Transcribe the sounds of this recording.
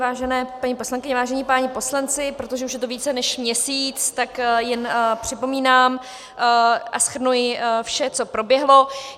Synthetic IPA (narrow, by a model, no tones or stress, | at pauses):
vaːʒɛnɛːpaɲipo̞slaŋkɪɲɛvaːʒɛɲipaːɲɪpo̞slant͡sɪpɾo̞t̪oʒɛuʃjɛt̪o̞viːt͡sɛnɛʃmɲɛsiːt͡st̪akjɛnpr̝̥ɪpo̞miːnaːm | ʔa̰sxr̩nujɪfʃɛt͡so̞pɾo̞bjɛɦlo̞